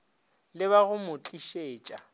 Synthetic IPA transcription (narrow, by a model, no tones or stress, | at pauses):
lɪβaɣʊmʊt͡ɬʼiʃeːt͡ʃʼa